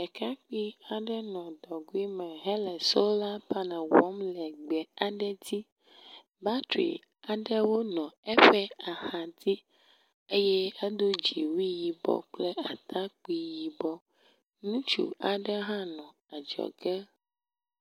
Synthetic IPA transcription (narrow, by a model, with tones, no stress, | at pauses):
ɛ˨ka˦k͡pi˦a˨ɖɛ˦nɔ̃˨d̪ɔ˨ɡu˦i˦mɛ̃˨ɦɛ˦lɛ˨so˦la˦pa˦nã˨wɔ˦mlɛ˨ɡ͡bɛ˨a˨ɖɛ˦d̪i˦ | ba˦t̪ɾḭ˨ | a˨ɖɛ˦wo˦nɔ̃˨ɛ˦ɸɛ˦a˨ha˨d̪i˦ | e˦jɛ˦a˦d̪o˦d͡ʒi˨wi˦ji˨bɔ̰˨k͡plɛ˦a˨t̪ʰa˦k͡pi˦ji˨bɔ˦ | nũ˦t͡ʃṵ˨a˨ɖɛ˦ɦã˦nɔ̃˨ | a˨d͡ʒɔ̰˨ɡɛ˦